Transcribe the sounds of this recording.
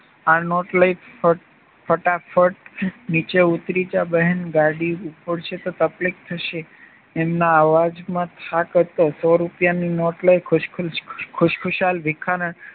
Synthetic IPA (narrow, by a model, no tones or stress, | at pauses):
anɔʈlaipfə | fʰəʈafʰəʈnit͡ʃeut̪ɾid͡ʒabəɦənɡaɽiupəɽʃet̪ot̪əplik̚t̪ʰəʃeː | mnaːʋad͡ʒmãt̪ʰakət̪osɔɾupjaninɔʈlajkʰʊʃkʰkʰʊʃkʰʊʃalʋɪkʰaɾəɳ